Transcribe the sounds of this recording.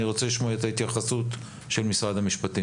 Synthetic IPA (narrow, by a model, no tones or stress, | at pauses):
iʁo̞t͡seliʃmoet̪ahit̪jaχasut | ʃe̞lmisʁad̪hamiʃpati